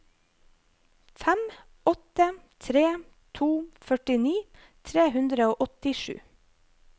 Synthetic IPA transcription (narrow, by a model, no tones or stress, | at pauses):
fæm | ɔt̪ət̪ʰɾeː | t̪ʰuːfœʈɪniː | t̪ʰɾeːhʉnd̪ɾəoːʔɔt̪ɪʃʉ̰ː